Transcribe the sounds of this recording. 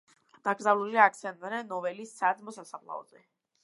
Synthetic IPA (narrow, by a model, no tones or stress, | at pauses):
d̪̥aɡɾzavluliak̚t̪sɛnt̪aɾɛnːɔvɛlisːad̪zmɔsasaχlˠa̰ɔ̰zɛ